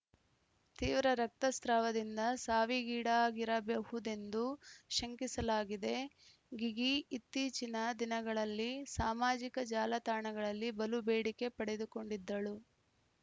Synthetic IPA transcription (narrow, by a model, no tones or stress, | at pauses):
t̪iːʋɾɐɾɐk̚t̪ɐst̪ɾaːʋɐd̪ind̪ɐsaːʋiɡiːɽaːɡiɾɐbjɐhud̪e̞nd̪uʃɐŋkisɐlaːɡid̪e̞ | ɡiɡiit̪ːiːt͡ʃinɐd̪inɐɡɐɭɐlːisaːmaːd͡ʒikɐd͡ʒaːlɐt̪aːɳɐɡɐɭɐlːibɐlubeːɽike̞pɐɽe̞d̪uko̞ɳɖid̪ːɐɭu